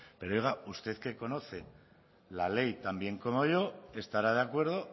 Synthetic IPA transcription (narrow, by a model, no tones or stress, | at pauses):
pe̞ɾojɣaust̪e̞ðke̞ko̞no̞θe̞ | lale̞jt̪ambje̞ŋko̞mo̞ʝo̞e̞st̪aɾað̞eakwe̞ɾð̞o̞